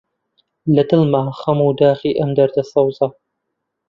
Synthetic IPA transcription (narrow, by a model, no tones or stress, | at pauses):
lɐd̪ɨlmaχɐmuːd̪aːxiːʔɐmd̪ɐɾd̪ɐsˤɑwzɑ